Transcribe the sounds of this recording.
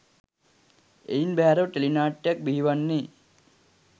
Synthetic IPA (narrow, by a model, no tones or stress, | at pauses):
ḛinbɛɦaɾɐwʈelinaːʈjɐk̚biɦiʋanːi